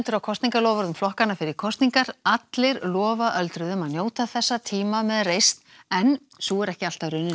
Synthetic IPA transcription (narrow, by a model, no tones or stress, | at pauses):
nt̪ʏɾawkʰɔst̪iŋkalɔːvaɾðʏmflɔhkanːafɪɾɪɾ̥kʰɔst̪niŋkaɾat̪lɪɾlɔːvaʔœlt̪ɾʏðʏmaðnjoːwt̪aθɛsːat̪ʰiːmamɛðrejst̪n | ɛn | suɛɾɛhcɪal̥t̪aɾʏnːɪ